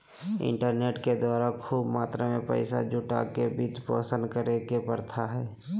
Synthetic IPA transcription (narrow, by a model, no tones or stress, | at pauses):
ɪ̰̃ɳʈəɾneːʈked̪waːɾaːkʰuːbmaːt̪ɾemẽpə̰ɪsa̰d͡ʒʊʈa̰kebit̪po̰ːsə̃nd̪kəɾekepəɾt̪ʰaɦɛː